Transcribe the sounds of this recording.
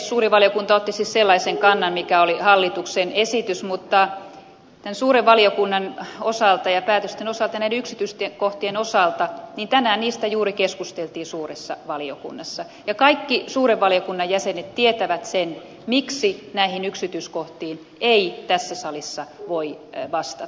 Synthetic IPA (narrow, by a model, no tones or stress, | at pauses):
suːriʋɑlijokunt̪ɑot̪ːisisselːɑiseŋkɑnːɑmmikæolihɑlːit̪uksenesit̪ysmut̪ːɑ | t̪ænsuːreʋʋɑliokunːɑnosɑˑlt̪ɑjɑpæːt̪øst̪enosɑlt̪ɑnæideyksit̪yst̪ekoht̪ienosɑlt̪ɑniːnt̪ænæːnniːst̪æjuːɾikeskust̪elt̪iːsuːresːɑʋɑliokṵnːɑsːɑ | jɑkɑikːisuːreʋʋɑlijokunːɑjjæsenet̪t̪iet̪æʋæt̪sen | miksinæihinyksit̪yːskoht̪iːn | eit̪æsːæsɑlisːɑʋoiʋɑst̪ɑ